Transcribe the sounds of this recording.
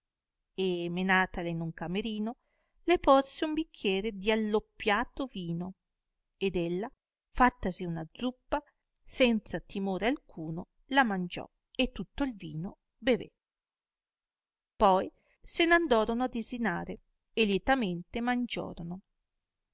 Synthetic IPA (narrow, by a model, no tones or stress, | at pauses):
emenaːt̪alenuŋkameɾiːno | leporseumbikʰːjɛːɾed̪ialːopːjaːt̪oviːno | ed̪elːa | fat̪ːasiunad̪zupːa | sɛnt̪sat̪imoːɾealkʰuːno | lamand͡ʒɔ̰ | et̪ːut̪ːoilviːno | bevḛ | pɔj | senand̪ɔːɾonoad̪ezinaːɾe | eljɛt̪ament̪emand͡ʒɔ̰ːɾono